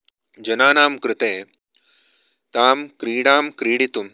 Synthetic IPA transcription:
d͡ʒɐnaːnaːmkɾɪt̪ẽː | t̪aːmkɾiːɽaːmkɾiːɽit̪um

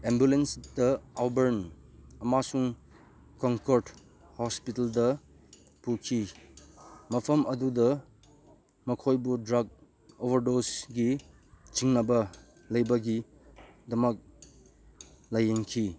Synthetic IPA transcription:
embjulensdɐawbɐɾn | ɐmasuŋ | kɔŋkoɾt | hɔspitɐldɐ | pukʰi | mɐpʰɐmɐdudɐ | mɐkʰojbudɾaɡ̚ | obɐɾdosɡi | t͡ʃiŋnɐbɐ | lɐjbɐɡi | dɐmɐk̚ | lajenkʰi

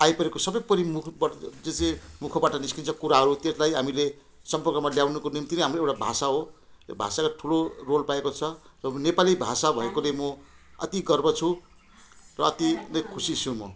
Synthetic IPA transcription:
ajpʌɾekosʌbʌjpʌɾimukʰbd͡zet͡semukʰʌbaʈʌniskint͡sʰʌkuɾaɦʌɾut̪eslajɦamile | sʌmpʌrkʌmaljawnukonimt̪inʌ̃jɦamroewʈabʱa̰saɦo | obʱa̰sakaʈʰulorolpaekot͡sʰʌrʌnepalibʱa̰sabʱʌekolemʌ | ʌ̰t̪iɡʌrbʌt͡sʰũ | rʌːt̪inʌ̃jkʰusit͡sʰũmʌ

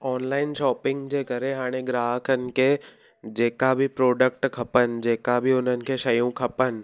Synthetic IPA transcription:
ɔːnlaːɪnʃɔːpɪ̃ŋɡd͡ʒeːkɐɾeɦaːɽ̃eɡɾaːɦkʰənke | d͡ʒeːkabʱipɾoːɖək̚ʈkʰɐpənd͡ʒeːkabʱiʊnənkeʃɐjõkʰɐpən

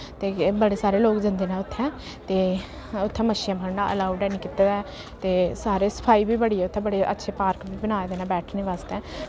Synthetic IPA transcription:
t̪eːbəɽeːsaːɾeːloːkd͡ʒə̃nd̪eːnaːʊt̪ʰːɛ̃ː | t̪eː | ʊt̪ʰːɛ̃ːməʃɪjãːbʰʱəɾnaːʔə̰laːuɖɛːniːkɪt̪eːd̪ɛː | t̪eːsaːɾeːsə̥pʰaːiːbiːbəɽiːɛːʊt̪ʰːɛ̃ːbəɽeːʔə̰tːʃʰeːpaːɾkbiːbənaːed̪eːnãːbɛːʈʰneːʋaːst̪ɛ̃ː

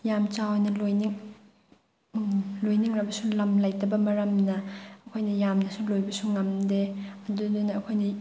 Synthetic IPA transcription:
jamt͡ʃawajnɐlojniŋ | lojniŋɾɐbɐsulɐmlajtɐbɐmɐɾɐmnɐɐkʰojnɐjamnɐsulojbɐsuŋɐmdeɐdudunɐːkʰojnɐ

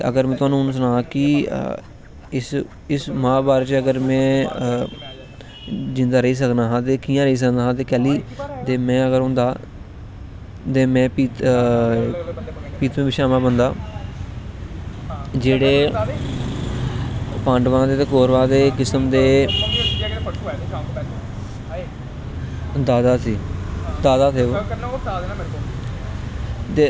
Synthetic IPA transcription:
ə̰ɡəɾmɛ̃ːt̪ʊaːnũːns̬ənãːkɪ | ɪs | ɪsmãːbaːɾt͡ʃəɡəɾmɛ̃ː | d͡ʒɪnd̪aːɾəiːs̬əknaːɦãːt̪eːkiːjãːɾəiːs̬əkd̪aːɦãːt̪̬eːkɛːliːt̪eːmɛ̃ːəɡəɾɦõːnd̪aː | t̪eːmɛ̃ːpiːt̪ | piːt̪ʋẽːbɪʃaːmãːbənd̪aː | d͡ʒeːɽeː | pãːɳɖʋãːd̪eːt̪eːkoːɾʋãːd̪eːkɪsəmd̪eː | d̪aːd̪aːsiːd̪aːd̪aːt̪ʰeːo | t̪eː

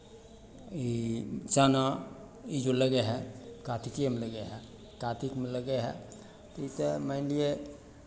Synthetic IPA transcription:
it͡ʃana | id͡ʒoləɡeɦɛkat̪ʰikiemeləɡeɦɛ | kat̪ʰikmeləɡeɦɛ̰ | t̪oit̪eməɪnlie

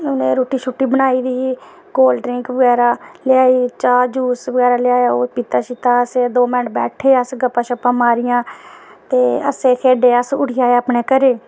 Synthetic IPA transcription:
ʊnẽːɾoːʈiːt͡ʃʰʊʈːiːbənaːiːd̪iːiː | ɡoːlɖɾɪŋkʋəɡɛːɾaːlɪaːiːt͡ʃaːd͡ʒuːsʋəɡɛːɾaːlɪjaːjaːoːpɪt̪aːʃɪt̪aːəseːd̪oːmɛːʈ̚bɛ̰ːʈʰeːəsɡəpːãːt͡ʃəpãːmaːɾɪjãːt̪eːə̰seːkʰeːɖeːəsʊɽɪjaːeaːpneːkəɾeː

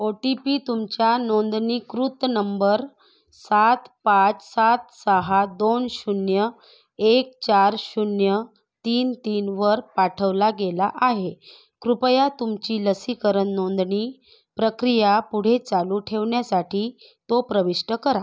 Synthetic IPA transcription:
oʈipit̪umt͡ɕjanond̪ɳiːkɾut̪nəmbəɾ | sat̪pat͡ssat̪səɦad̪onɕunjə | ek̚t͡ɕaɾɕunjə | t̪iːnt̪iːnʋəɾpaʈʰəʋlaɡelaʔaɦe | kɾupəjat̪umt͡ɕiːləsikəɾənːond̪ɳiː | pɾəkɾijapuɽ̤et͡saluːʈʰeʋɳjasaʈʰiː | t̪opɾəʋiʂʈəkəɾa

